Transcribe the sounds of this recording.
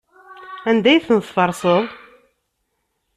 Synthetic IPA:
ænd̪æjθənθfɑɾˤsˤəðˤ

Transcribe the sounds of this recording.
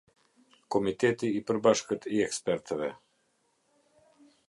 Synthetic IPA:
komit̪ɛt̪iːpɾbaʃkət̪iɛkspɛɾt̪ʰɛvɛ

